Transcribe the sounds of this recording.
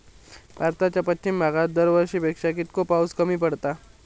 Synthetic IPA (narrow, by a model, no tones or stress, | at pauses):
ʋaɾt̪at͡ɕjapətːɕimːaɡad̪əɾʋəɾɕiːpekʂakit̪̚kopawskəmiːpəɽt̪a